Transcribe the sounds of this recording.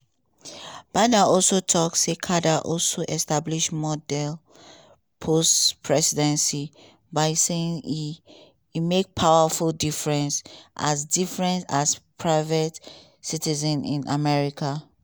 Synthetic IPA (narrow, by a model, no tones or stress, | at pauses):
b̥adaɔlˠsotʰɔksekʰadaʔɔlsoʔɛstabliʃmɔdɛl | pʰostpʰɹɛsidɛ̃nsi | baɪseĩŋ | imek̚pʰawəfulˠdifɹɛ̃nsʔa̰zdifɹɛ̃ntaspʰɹaɪvət | sitizɛ̃nḭ̃na̰mɛɹikʰa